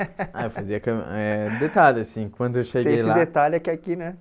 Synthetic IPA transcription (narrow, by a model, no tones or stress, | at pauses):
a̰jewfaziɐkɐɛd̪et̪alasĩkwɐ̃nd̪ʊewʃeɡ̪ẽejslad̪et̪alɪɛkakinɛ